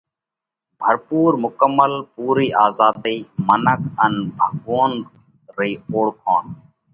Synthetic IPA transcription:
bʱəɾpuːɾmʊkəmːəlpuːɾiːʔaːzaːd̪iːmənəkʰənbʱəɡoːn | ɾiːoːɽkʰoːn

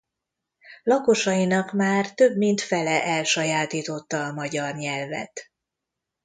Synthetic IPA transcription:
lɒko̞ʃɒjinɒkmaːrt̪ø̞bmint̪fɛlɛʔɛlʃɒjaːt̪iːt̪o̞t̪ːɒːmɒɟɒrɲɛlvɛ̰t̪

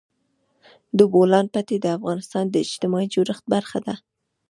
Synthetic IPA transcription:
d̪əbolɑnpat̪ed̪əafɣɑnɪst̪ɑnd̪əɪd͡ʒt̪ɪmɑid͡ʒoɾəxt̪̚baɾxad̪a

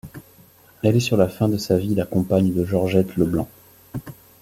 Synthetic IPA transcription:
ɛlɛsyʁlafɛ̃d̪əsavilakɔ̃paɲd̪əʒɔʁʒɛt̪ləblɑ̃

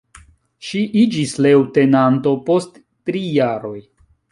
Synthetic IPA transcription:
ʃiʔid͡ʒislewte̞nanto̞po̞stː | ɾijaɾo̞j

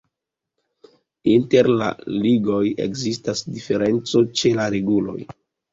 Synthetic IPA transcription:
inte̞ɾla̰liɡo̞je̞̰kzistasdife̞ɾe̞nt͡so̞t͡ʃe̞laɾeɡulo̞̰j

